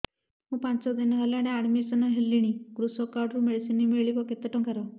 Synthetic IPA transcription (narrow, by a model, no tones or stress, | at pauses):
mũpant͡ʃɔd̪inɔɦalaɽ̃eaɽmisɔnɔɦelːiɽ̃iɡɾusɔkaɾɖɾumeɽisinimeɭibɔket̪eʈɔ̃ŋkaɾɔ